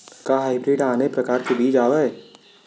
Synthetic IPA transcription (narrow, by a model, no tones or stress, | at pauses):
kaɦaːɪbɾeːɖaːnepɾɐkaːɾkebiːt͡ʃaːʋae